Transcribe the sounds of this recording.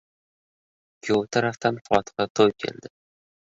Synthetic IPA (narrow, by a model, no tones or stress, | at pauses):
kʲʰot̪ʰɑɾɑft̪ɑnqʰʊwɑt̪qɑt̪ʰojkʰe̞̰ld̪ɪ